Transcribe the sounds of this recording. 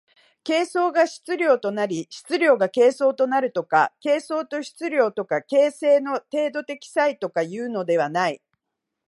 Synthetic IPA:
ke̞ːso̞ːɡaɕi̥t͡sɨɾʲo̞ːt̪o̞naɾʲiɕi̥t͡sɨɾʲo̞ːɡake̞ːso̞ːt̪o̞naɾɯ̟t̪o̞ka̰ke̞ːso̞ːt̪o̞ɕi̥t͡sɨɾʲo̞ːt̪o̞kake̞ːse̞ːno̞t̪e̞ːd̪o̞t̪e̞kʲi̥sait̪o̞kajɯ̟ːno̞d̪e̞β̞anai

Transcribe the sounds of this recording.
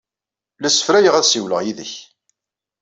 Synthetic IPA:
læsə̥fɾæjəʁæðsiwləʁjiðəç

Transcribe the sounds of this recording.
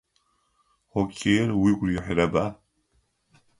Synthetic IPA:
χokʲʼʰejrwiɡʷrjɛħʷrɐba

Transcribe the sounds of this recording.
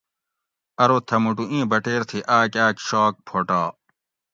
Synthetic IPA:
ɐɾot̪ʰɐmuʈuʔĩːbɐʈeːɾt̪ʰiʔaːkaːkɕaːk̚pʰoːʈaː

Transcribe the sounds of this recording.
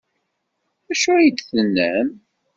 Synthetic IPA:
æʃuæjəd̪θənːəm

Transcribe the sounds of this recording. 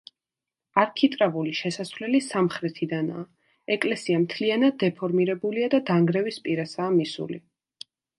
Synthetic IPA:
aɾkʰit̪ʼɾavuliʃɛsasvlɛlisamχɾɛt̪ʰid̪ana̰ː | ɛkʼlɛsiamt̪ʰlianad̪̚ːɛpʰɔɾmiɾɛbuliad̪ad̪aŋɡɾɛvispʼiɾasaːmisṵli

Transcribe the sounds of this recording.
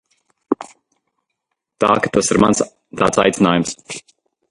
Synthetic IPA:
t̪a̰ːkat̪asiɾmans | t̪a̰ːt̪sajt̪inaːjums

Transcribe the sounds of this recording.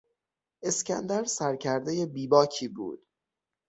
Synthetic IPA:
ʔe̞scʲænd̪æɾsæɾcʰæɾd̪ejebiːbɒːcʰiːbṵːd̪̥

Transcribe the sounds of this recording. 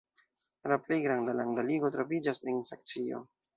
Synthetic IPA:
laple̞jɡɾandalandaliɡo̞tɾo̞vid͡ʒasensak̚t͡sio̞̰

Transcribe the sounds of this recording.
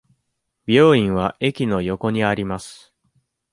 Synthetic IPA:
bʲo̞ːĩɰ̃βaʔe̞kʲino̞jo̞ko̞ɲ̟iaɾʲimasɨ̥

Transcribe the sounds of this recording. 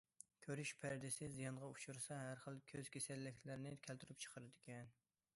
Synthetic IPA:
kʲʰøɾyʃpʰæɾd̪ɪsɪzijɑnʁɑuʃuɾsɑɦæɾχəlˠkʲʰøz̥kʲʰesɛlːɪkʲʰlæɾnɪkʲʰælt̪ʰyɾyp̚t͡ʃʰə̥qʰəɾɨd̪ɪkʲɛn

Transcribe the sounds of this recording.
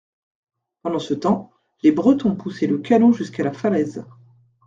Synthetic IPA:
pɑ̃d̪ɑ̃sət̪ɑ̃ | lebʁət̪ɔ̃puseləkʰanoʒyskalafalɛz

